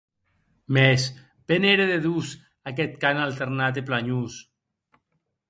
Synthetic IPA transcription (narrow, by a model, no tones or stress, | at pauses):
mɛs | beneɾeðeðus | akɛt̪̚kanalˠt̪eɾnat̪̬eplaɲus